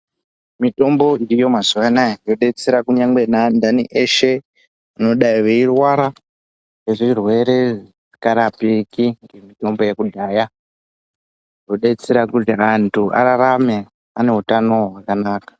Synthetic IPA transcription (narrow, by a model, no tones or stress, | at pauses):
mito̞mbo̞iɾijo̞mazuʋanajo̞ɗe̞t͡seɾakuɲaŋɡwe̞nandaniʔeʃe̞ | ano̞ɗaiʋeirwaɾa | ʋeʐiirwe̞ɾe̞ʐ | i̥kaɾapiikiŋɡe̞mito̞mbo̞jekudʱaːja | ro̞ɗet͡seɾakutiantʰuʔa̰ɾaɾame̞ | ane̞ɦutano̞ɦwakanaːkḁ